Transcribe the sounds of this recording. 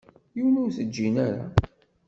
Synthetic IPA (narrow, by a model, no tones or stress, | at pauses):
jiuwnuɾθəd͡ʒːinæɾa̰